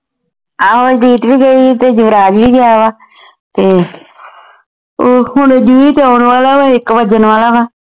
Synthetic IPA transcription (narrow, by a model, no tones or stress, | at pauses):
aːd͡ʒd̪iːt̪biːɡəiːt̪eːd͡ʒʊʋɾaːd͡ʒʋiːɡɪjaːʋaː | t̪eː | oːhʊɳed͡ʒuiːt̪eaːnʋaːlaːʋaːɪkbəd͡ʒənʋaːlaːʋaː